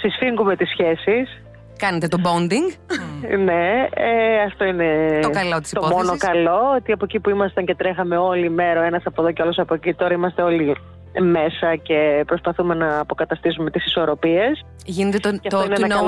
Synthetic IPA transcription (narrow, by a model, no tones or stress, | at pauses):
sisfiŋɡume̞t̪isçe̞sis | kɐnet̪et̪obond̪iŋɡne̞eɐft̪o̞ineokɐlot̪isipt̪oomonokɐlo̞ot̪iɐpocipuimɐst̪ɐɲce̞t̪ɾe̞xɐme̞o̞lime̞ɾɐe̞nɐsɐpoðoceolosɐpocit̪o̞ɾɐimɐst̪eo̞li | me̞sɐce̞pɾo̞spɐθume̞nɐːpo̞kɐt̪ɐst̪is̬ume̞t̪isi̥so̞ɾo̞pie̞s | ʝinet̪et̪oɐt̪oinenɐno